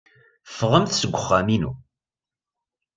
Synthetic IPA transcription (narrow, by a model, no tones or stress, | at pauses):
fʁəmθsəɡʷʊχːæminṵ